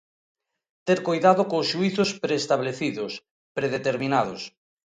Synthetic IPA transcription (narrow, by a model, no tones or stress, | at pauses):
t̪eɾkojðaðʊkosʃuiθʊspɾeːst̪aβleθiðʊs | pɾeðet̪eɾminað̞os